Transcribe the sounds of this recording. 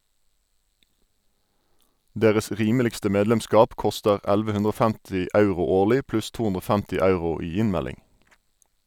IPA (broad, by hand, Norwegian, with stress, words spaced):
ˈdeːʁəs ˈʁiːməlɪkstə ˈmeːdlɛmˌskɑːp ˈkɔstəʁ ˈælʋə ˈhʉndʁ ˈɔ ˈfæmtɪ ˈɑʉʁʊ ˈoːʁlɪ ˈplʉs ˈtuː ˈʉndʁ ˈoː ˈfæmtɪ ˈɑʉʁʊ ˈiː ˈɪnˌmælɪŋ